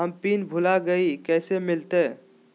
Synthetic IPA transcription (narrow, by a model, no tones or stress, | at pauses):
əmpiːnbʱʊlaɡəikɛːsemɪlt̪e